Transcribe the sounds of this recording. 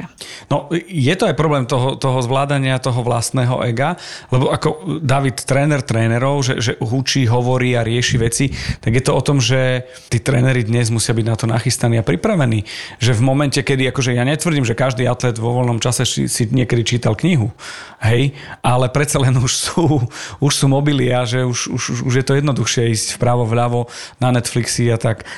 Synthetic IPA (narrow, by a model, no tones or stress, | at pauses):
nɔjɛt̪ɔajpɾɔblɛːmt̪ɔɦɔt̪ɔɦɔzʋlaːd̪aɲɪat̪ɔɦɔʋlast̪nɛːɦɔ̰ʔɛɡalɛbɔʔakɔd̪aʋit̪ːɾɛːnɛɾt̪ɾɛːnɛɾɔʊʒɛ̰ʒɛɦut͡ʃiɦɔʋɔɾiːaɾɪɛʃiʋɛt͡sit̪aɡjɛt̪ɔɔt̪ɔmʒɛ | t̪iːt̪ɾɛ̰ːnɛɾid̪ɲɛzmusɪabiɟnat̪ɔna̰xist̪aniːapɾipɾaʋɛniːʒɛvmɔmɛncɛkɛd̪iakɔʒɛjaɲɛt̪ʋr̩ɟiːmʒɛkaʒd̪iːat̪lɛd̪ʋɔʋɔlnɔmt͡ʃasɛsḭsiɲɪɛkɛd̪it͡ʃiːt̪alkɲiɦu | ɦɛj | ʔalɛpɾɛt̪t͡salɛnuʃsuːuʃsuːmɔbilɪaʒɛuʃuʃuʃuʒjɛt̪ɔjɛd̪nɔd̪uxʃɪɛiːscfpɾaːʋɔʋʎaʋɔnanɛt̪fliksiat̪ak